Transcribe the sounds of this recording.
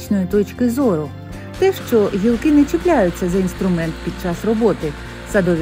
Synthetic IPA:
t͡ʃnɔjit̪ɔt͡ʃkɪzɔɾʊ | t̪ɛʃt͡ʃɔɦʲilˠkɪnɛt͡ʃɪplʲajʊt͡sʲːɐzɐinst̪ɾʊmɛnt̪pʲid̪̚t͡ʃɑsrɔbɔt̪ɪ | sɐd̪ɔʋʲ

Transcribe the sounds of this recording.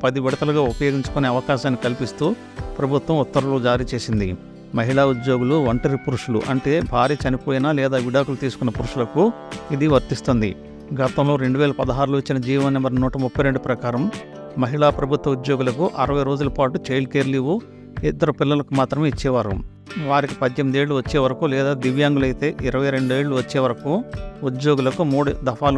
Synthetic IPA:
pɐd̪iʋɛɽɐkɐlɐɡaːupɐjo̞ːɡiɲt͡ʃu̥kone̞ːɐʋɐkaːʃaːnːikɐlipist̪uː | pɾɐbʱut̪ʋɐmut̪ːɐɾulud͡ʒaːɾiːt͡ʃe̞ːsind̪ḭ | mɐɦiɭaːud̪jo̞ːɡuluʋɐɳʈɐɾipuɾuʂulṵʔɐɳʈe̞ːbʱaːɾiːt͡ʃɐnipo̞ːjinaːlɛːd̪aːʋiɽaːkulut̪iːsu̥kunːɐpuɾuʂulɐku | id̪iʋɐɾt̪ist̪und̪ḭ | ɡɐt̪ɐmlo̞ːɾe̞ɳɖuʋɛːlɐpɐd̪ɐɦaːɾuloit͡ʃːinɐd͡ʒiːʋɐnːɐmbɐɾnuːʈɐmupːɐjɾe̞ɳɖupɾɐkaːɾɐmː | ɐɦiɭaːpɾɐbʱut̪ʋɐud̪joːɡulɐkuʔɐɾɐʋɐjɾo̞ːd͡ʒulɐpaːʈut͡ʃejlkeːɾliʋu | ɛd̪ːɐɾupilːɐlɐkumaːt̪ɾɐmeːit͡ʃːɛːʋaːɾṵ | ʋaːɾikipɐd̪jemid̪e̞ːɭːuʋɐt͡ʃːeːʋɐɾɐkulɛːd̪aːd̪iʋjaːŋɡulɐjt̪e̞ːʔiɾɐʋɐjɾe̞ɳɖueːɭːuʋɐt͡ʃːeːʋɐɾɐkuud̪joːɡulɐkumuːɽud̪ɐfʰaːl

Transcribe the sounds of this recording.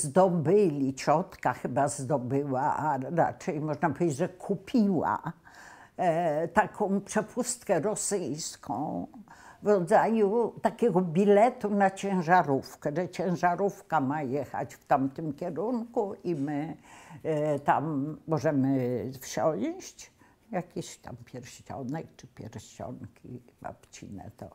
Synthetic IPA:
zd̪ɔbɘlʲit͡ɕɔt̪kaxɘbazd̪ɔbɘwaaɾa̰t͡ʂɛjmɔʐnapɔvʲed͡ʑːd͡ʑʐɛkʰupʲʰiwa̰ | t̪akʰɔ̃w̃pʂɛpʰust̪kɛɾɔsɘjskʰɔ̰̃w̃vɾɔd̪zajut̪akʲɛɡɔbʲilɛt̪unat͡ɕɛ̃w̃ʐaɾufkɛʐɛt͡ɕɛ̃w̃ʐaɾufkamajɛxa̰t͡ɕft̪amt̪ɘmkʲɛɾunkuʔimɘ | t̪amːɔʐɛmɘfɕɔw̃ɕt͡ɕ | jakʲeɕt̪a̰mpʲjɛɾɕt͡ɕɔ̰nɛk̚t͡ʂɘpʲjɛ̰ɾɕɔ̰nkʲiba̰pt͡ɕḭnɛ̰t̪ɔ̰

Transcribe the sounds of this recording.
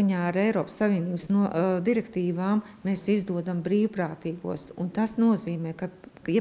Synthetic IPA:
aɲaːaɾɛjɾɔːpə̥sːavʋʲiɛniːbsnud̪iɾɛkt̪iːvaːm | meːsizd̪uɔd̪ambɾiːwpɾaːt̪iːɡṵɔsunt̪asnuɔziːmɛːkaj

